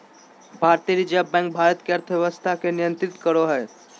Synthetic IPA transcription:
bʱaːɾt̪iɾid͡ʒabɛ̃ːŋk̚bʱaːɾət̪keɐɾt̪ʰəʋjeʋəst̪ʰakenɪjə̃nt̪ɾɪt̪kəɾoɦɛː

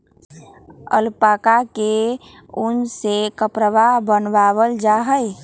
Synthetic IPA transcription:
ə̰lpaːkake | ʊnsekəpɾəʋabənʋaːʋəld͡ʒaɦəj

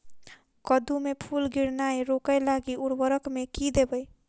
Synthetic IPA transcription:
kəd̪umepʰulɡiɾnajɾokəlaɡiuɾbəɾəkmekid̪ebəj

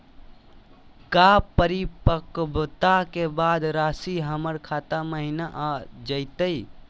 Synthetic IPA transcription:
kapəɾipəkbt̪akebad̪ɾaːsiɦəməɾkʰat̪aməɦinaʔad͡ʒəɪt̪əi

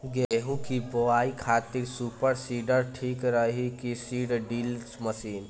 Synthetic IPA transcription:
ɡeːɦũkiboaːikʰaːt̪ɪɾsuːpəɾsiːɖəɾʈʰiːkɾəɦikisiːɖɖiːlsməsiːn

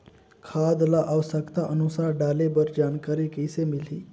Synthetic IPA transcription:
kʰad̪laʔaʋsəkt̪aʔənusaɖalebəɾd͡ʑankaɾiːkəjsemiliː

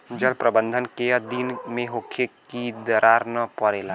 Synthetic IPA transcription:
d͡ʒəlpɾɐbə̃nd̪ʱənkeɐd̪inmẽɦokʰːekid̪ɐɾʔaːɾnəpəɾeːlaː

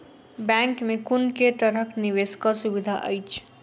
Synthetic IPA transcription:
bɛ̃ŋkmekunket̪əɾəkniʋeskasubid̪ʱaʔə̰jt͡ʃʰ

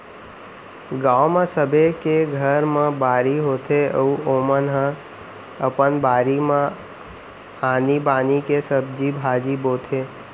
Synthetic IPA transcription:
ɡaːomãsəbʱekeɡʱəɾmãbaːɾiɦoːt̪ʰeəuoːmənɦə̃ | əpənbaːɾimã | aːnibaːnikesəb̚d͡ʒibʱaːd͡ʒiboːt̪ʰeː

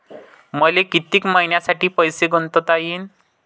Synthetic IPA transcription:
məlekit̪iːkmaɦinjasaʈiːpəjseɡʱənt̪ət̪ajiːn

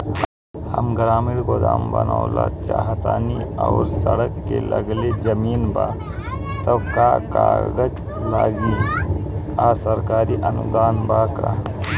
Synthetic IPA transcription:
həmɡɾaːmɪɽɡod̪aːmbənalat͡ʃaɦt̪aːniaːɾsəɽəkːḛlʔəɡled͡ʒəmiːnba | t̪okaːkaːɡəd͡ʒ | laːɡi | aːsəɾkaːɾiʔənṵd̪aːnbaːka

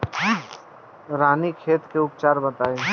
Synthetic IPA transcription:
ɾaːnikʰeːt̪keʊpt͡ʃaːɾbɐt̪aːe

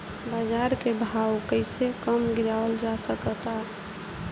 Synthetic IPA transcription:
bad͡ʒaɾkebʱawkəɪsekəmɡiɾaəld͡ʒasəkət̪a

